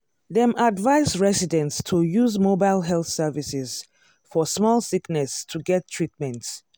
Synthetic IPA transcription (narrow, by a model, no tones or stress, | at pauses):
ðɛ̃madvaɪsɹɛsidɛ̃ntstʰujuzmobaɪlˠɦɛlˠθsɛvisɪz | fɔsmɔlˠsiknɛstʰuɡɛtʰːɹ̥it̚mɛ̃nt